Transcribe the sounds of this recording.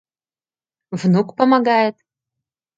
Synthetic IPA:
vnukpəmɐɡajɛt̪̚

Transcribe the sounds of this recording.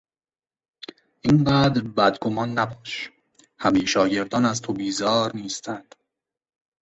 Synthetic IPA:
ʔiːnɢæːd̪ɾbæd̪ɡo̞mɒːnːæbɒːʃ | hæmejʃɒːɟe̞ɾd̪ɒːnæzt̪ʰobiːzɒːɾniːst̪ʰænd̪̥

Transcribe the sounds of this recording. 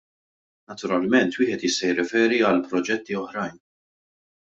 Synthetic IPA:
nɐt̪ʊɾɐlmɛnt̪wɪːħɛt̪jɪst̪ɐjɪrːɛfɛːɾiɐlpɾɔd͡ʒɛt̪ːiɔħɾɐjn

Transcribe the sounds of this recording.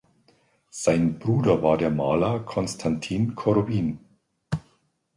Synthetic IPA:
z̥ajnb̥ʁuːdɐvaːɐdeːɐmaːlakʰonstʰantʰinkʰoɾobiːn

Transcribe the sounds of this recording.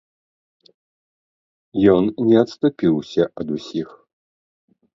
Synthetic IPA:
jɔnnʲɛɐt̪st̪upʲiwsʲɐɐd̪usʲix

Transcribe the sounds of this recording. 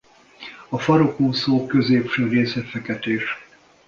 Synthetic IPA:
ɒfɒɾokoːsoːkøzeːpʃøːreːsɛt̪fɛkɛt̪eːʃ

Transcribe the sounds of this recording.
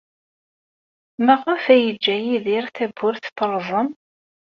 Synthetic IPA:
mæʁafæjəd͡ʒːæjiðiɾθæbːʊɾθt̪ːəɾˤzˤəm

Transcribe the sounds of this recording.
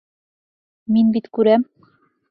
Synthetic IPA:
minbit̪kʉɾæm

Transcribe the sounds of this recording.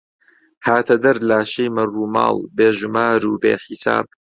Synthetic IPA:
haːt̪ʰɐd̪ɐɾlaːʃejmɐruːmɑ̰ːlˠbeːʒumaːɾuːbeːxisa̰ːb̚

